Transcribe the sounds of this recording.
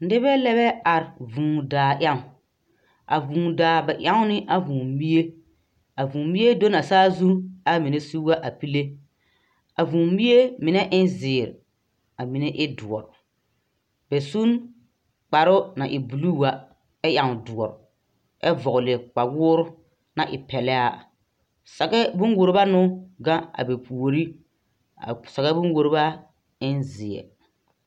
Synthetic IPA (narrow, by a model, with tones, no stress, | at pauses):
n˦dɪ˦bɛ˦lɛ˦βɛ˦a˨ɾɪ˨vũː˨daː˨ʔa˦ŋʊ˨ | a̰˨vũː˨daː˨bɛ˨ʔa˦ŋʊ˦nɪ˦ʔa˨vũː˨˦bi˦e˦ | a˨vũː˨˦bi˦e˦do˦na˨saː˦zu˦a˦mi˨ne˦su˦wa˦ʔa˨pi˦le˦ | a˨vũː˨bi˦e˦mɪ˨nɛ˦ʔɪ˦nzɪː˨ɾ̰ | a˨mi˨nɛ˦ʔɪ˦dʊ˨ɔ˨ɾʊ˨ | b̥ɛ˨su˦n | k͡pa˨ɾʊ˦na˨ʔɪ˨bu˨lu˦˨wa˦ | ɛ˦ja˨ŋ˨dʊ˨ɔ˨ɾʊ˨ | ɛ˦vɔ˨ɣʊ˨lɪ˨k͡pa˨wʊː˦ɾʊ˦ | na˨ʔɪ̰˨pɛ˨lɛ˦a˦ | sa˨kɛ˦bʊ̃˦nwo˨ɾɪ˦ba˦nʊ˦ɡã˦a̰˨be˨pʰu˨o˨ɾi˦ | a̰˨sa˨ɣa˦bʊ̃˦n˦wo˨ɾɪ˦ba˦ | ɪ˦nzɪ˨ɛ̰˨ɾ